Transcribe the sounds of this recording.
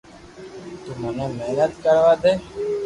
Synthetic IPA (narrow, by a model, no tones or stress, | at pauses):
t̪umənẽːmeːnət̪kəɾʋaːd̪eː